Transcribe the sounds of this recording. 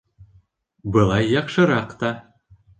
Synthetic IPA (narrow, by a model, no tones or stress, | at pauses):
bɤ̆lˠɑjːɑqʃɤ̆ɾɑqt̪ɑ